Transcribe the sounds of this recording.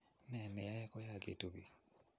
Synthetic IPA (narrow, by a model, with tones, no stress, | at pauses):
nɛ˨nɛ˨ja˦jɛ˦kɔ˦ja˦˨ɡḛ˨tu˨bi˨